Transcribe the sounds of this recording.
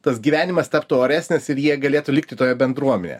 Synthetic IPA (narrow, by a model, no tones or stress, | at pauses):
t̪ɐsɡʲiːʋʲæːnʲɪmɐst̪ɐpt̪uoːɾʲæːsʲnʲɛsɪɾjiɛɡɐlʲeːt̪ʊlʲɪk̚t̪ʲɪt̪oːjɛbʲɛnd̪ɾuɔmʲɛnʲɛ̰